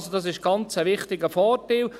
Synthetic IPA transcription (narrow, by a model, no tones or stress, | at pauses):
sodɑs̬ɪʃɡ̥ɑnt͡səʋɪχtɪɡəfɔːrtil